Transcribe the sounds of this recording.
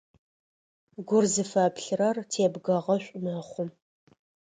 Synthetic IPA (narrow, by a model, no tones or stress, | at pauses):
ɡʷʊrzɨfɐpɬɨrɐrtʰeːbɡɐʁɐɕʷʼʊmɐχʷʊm